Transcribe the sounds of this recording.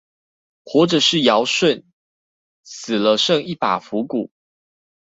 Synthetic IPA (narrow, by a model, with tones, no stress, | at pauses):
xwɔ˧˥˩ʈ͡ʂə˨˩ʂɻ̩˥˩˨jɑ˧˦ʊʂwə˥˨n | sɨ˨˩lə˦ʂɤ˥˧ŋi˥˩pa˨˩fu˨˦ku˨˩˦